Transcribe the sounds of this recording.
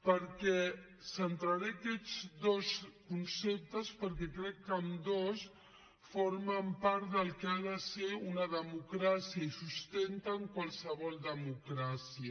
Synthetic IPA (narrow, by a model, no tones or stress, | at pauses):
pəɾkɛ | sənt̪ɾaɾeakɛd͡zd̪oskunsep̚t̪əspəɾkɛkɾɛkːəmd̪os | foɾməmpaɾt̪d̪əlˠkeaðəseunəðəmukɾasiəisust̪ent̪aŋkwalˠsəβɔlˠd̪əmukɾasiə